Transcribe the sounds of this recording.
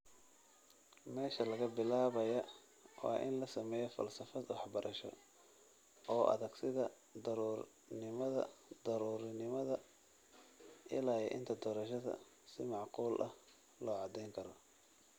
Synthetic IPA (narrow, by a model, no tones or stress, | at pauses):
mɛːʃɐlɐɣɐbɪlaːβɐjɐ | wɑ̰ːʔɪ̰nlɐsɐmɛːjɔfɐ̰lsɐfɐd̪wɑħbɐɾʔɐʃɔ̰ | ɔːʔɐ̰ðɐɡsɪðɐ | d̪ɐɾuːr | nɪmɐðɐ̰d̪ɐɾuːɾɪnɪmɐðɐ | ʔɪlaːjɛʔɪ̰nt̪ʰɐd̪ɔːɾɐʃɐðɐ̰ | sɪmɑʕquːlʔɐh | lɔːʕɑd̪ɛjŋkʰɐɾɔ